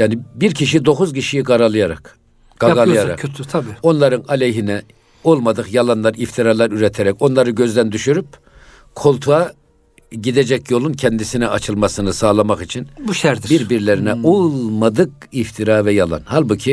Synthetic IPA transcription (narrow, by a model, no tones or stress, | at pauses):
jaːnibiɾcʰiʃid̪o̞xuzciʃijiɡaɾalˠɯjaɾa̰k | ɡ̥aɡalˠɯjaɾa̰kʰøt̪ʰyt̪ʰabiːo̞nlˠaɾɯnalʲeɦinɛ | olˠmad̪ɯkjalˠanlˠaɾift̪ʰiɾaːlˠaɾyɾɛt̪ʰɛɾɛco̞nlˠaɾɯɟø̞zd̪ænd̪yʃyɾyp̚ | kʰo̞lˠt̪ʰua | ɟid̪ed͡ʒɛcjo̞lˠuncʰɛnd̪isinɛat͡ʃʰɯlˠmasɯnɯsaːlˠamaχit͡ʃʰinbuʃæɾd̪ibiɾbiɾlʲeɾinɛʔolˠmad̪ɯk̚ | ift̪ʰiɾaːvɛjalˠa̰nhalˠbucʰi